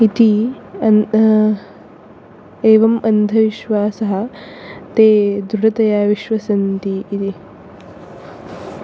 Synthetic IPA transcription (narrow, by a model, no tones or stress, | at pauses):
it̪iɐn | eːʋɐmɐnd̪ʱɐʋiʃʋaːsɐɦɐ̆t̪eːd̪ɾuɽɐt̪ɐjaːʋiʃʋɐsɐnt̪iːt̪i